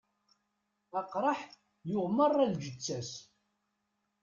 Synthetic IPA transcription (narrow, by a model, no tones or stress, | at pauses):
ɑqɾˤɑħ | jʊʁmərˤːæld͡ʒət͡sːæs